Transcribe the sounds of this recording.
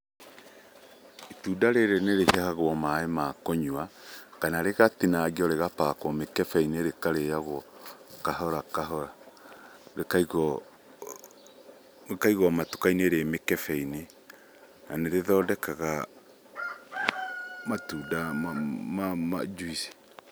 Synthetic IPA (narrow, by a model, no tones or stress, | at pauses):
etudaɾeɾeneɾeheahaɣwɔmaːemakoɲuakanaɾeɣatinaɣiɔɾeɣapakwɔmekɛfɛineɾekaɾejaɣwɔkaɦɔɾakaɦɔɾa | ɾekaiɣɔ | kaiɣɔmatu̥kaineɾemekɛfɛine | naneɾeðɔdɛkaɣa | matudammamad͡ʒuisi̥